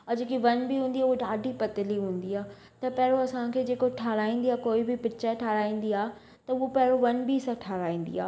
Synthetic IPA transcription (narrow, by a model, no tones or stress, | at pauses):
ɔd͡ʑekiʋɐnbiɦũːn̆d̪iaːuoɖaːɖʱipɐt̪ɪliɦũːn̆d̪iaː | t̪ɐpɛɦɪɽoɐsãkʰeːd͡ʑeːkoʈʰaːɾaːĩːn̆d̪iaːkoːibɪpɪt͡ɕaʈʰaːɾaːĩːn̆d̪iaː | t̪ɐʊɦopɛɦɪɾoʋɐnbisãʈʰaːɾaːĩːn̆d̪ḭaː